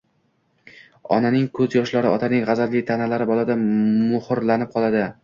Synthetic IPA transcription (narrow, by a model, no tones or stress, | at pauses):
ɒ̰nanɪŋkʰɵzjɒʃlaɾɪɒt̪ʰanɪŋʁɑzad̪lɪt̪ʰanalaɾɪbɒlˠad̪amʊhɾlanɪp̚qʰɒlˠad̪ɪ